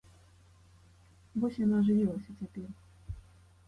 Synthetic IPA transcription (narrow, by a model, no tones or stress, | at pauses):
bɔsʲjanaʐɨvʲilˠɐsʲɐt͡sʲapʲɛr